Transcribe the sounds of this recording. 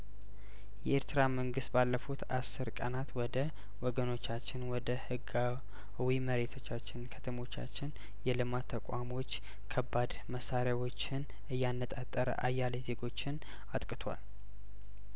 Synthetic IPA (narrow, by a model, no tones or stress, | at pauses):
jɛʔeɾt̪ʰɨɾaməŋɡɨst̪̚balːəfut̪asːɨɾkʼənat̪wɔd̪ə | wɔɡəno̞t͡ʃːat͡ʃːɪnwɔd̪əhɨɡa | wiməɾe̞t̪ʰo̞t͡ʃːat͡ʃːɪnkʰət̪ʰəmo̞t͡ʃːa̰t͡ʃːɪn | jɛlɨmat̪ʰːəkʼamo̞t͡ʃː | kʰəbːad̪məsaɾjawo̞t͡ʃːɪn | ɨjːanːət̪ʼat̪ʼːəɾə̰ʔajːaleze̞ɡo̞t͡ʃːɪn | at̪ʼkʼɨt̪ʰwa̰l